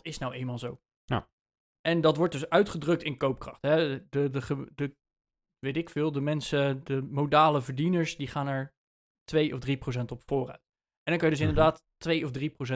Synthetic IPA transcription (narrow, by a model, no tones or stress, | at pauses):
tɪsnawejnmaːlˠzow | ʔɛndɑtʋɔɹt̚dɵsœɥtχədrɵk̚tɪnkowp̚krɑχtɦɛdədəχədə | ʋejtɪkfɪːlˠdəmɛnsədəmowdaːləvəɹdinəɹsdiχaːnɛɹ | tʋejʔɔfdriprows̬ɛntɔpfoːrœ̰ɥt | ʔɛndɑŋkɑnjədɵs̬ɪndəɹdaːtː | ʋejɔfdriprows̬ɛ